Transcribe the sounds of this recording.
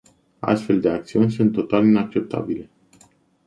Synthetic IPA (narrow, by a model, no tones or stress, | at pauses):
a̰st̪fe̞ld̪e̞ak̚t̪siunʲsunt̪ːot̪alinak̚t͡ʃe̞p̚t̪ʰa̰bile̞